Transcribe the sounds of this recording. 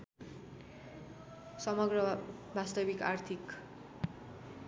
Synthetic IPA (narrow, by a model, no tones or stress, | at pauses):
sʌmʌɡrʌbʱast̪ʌbikart̪ʰik